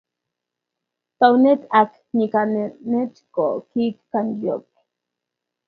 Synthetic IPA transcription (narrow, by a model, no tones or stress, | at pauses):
t̪aunetak | nikanenet͡ʃkokikkanjok